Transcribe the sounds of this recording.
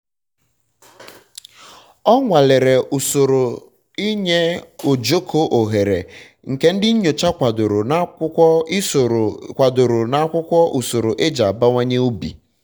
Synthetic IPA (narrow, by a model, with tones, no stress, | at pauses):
ɔ˦ŋʷa˨le˨ɾe˨so˨ɾo˨ | i˦ɲe˦o˨d͡ʒo˦kʰo˦ʔo˨ɦe˨ɾḛ˨ | ŋ̩˨ke˦n̩˦dɪ˦ɲo˨t͡ʃa˦kʷa˨dʊ˨ɾo˨˦˨kʷa˨dʊ˨ɾʊ˨na˨a˦kʷʊ˦kʷɔ˦ʔu˨so˨ɾo˨ʔe˦d͡ʒa˨ba˦ŋʷa˦ɲe˦u˦bḭ˨